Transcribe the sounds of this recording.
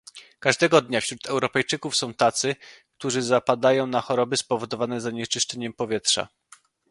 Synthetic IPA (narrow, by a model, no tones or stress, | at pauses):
kaʐd̪ɛɡɔd̪ɲafɕɾut̪ɛwɾɔpɛjt͡ʂɘkufsɔ̃w̃t̪at̪sɘkt̪uʐɘzapad̪ajɔ̃w̃naxɔɾɔbɘspɔvɔd̪ɔvanɛzaɲɛt͡ʂɘʂt͡ʂɛɲɛmpɔvʲjɛt̪ʂa̰